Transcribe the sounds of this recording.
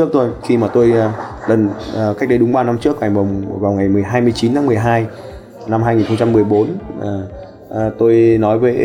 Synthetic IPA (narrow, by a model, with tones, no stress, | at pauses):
ək̚t̪o˧jxi˧maː˨˩t̪o˧jɗə˨˩nː˨˩ka˦˥k̟̚ɗə˨˧˦ɗʊ˨˦ŋ͡mɓaː˧na˧mt͡ɕɨ˦˥ək̚a˨˩ŋ̟ɓə˨˩wŋ͡mvaː˨˩wŋa˨˩jmɨ˨˩əjɦaː˧jmɨ˧əjt͡ɕi˨˦nt̪aː˨˦mɨ˨˩əjɦaː˧j | na˧mhaː˧jŋi˨˩nxə˧ŋ͡mt͡ɕa˧mːɨ˨˩əjɓo˨˦nʔː | t̪o˧jnɔ˨˦jvəː˨˦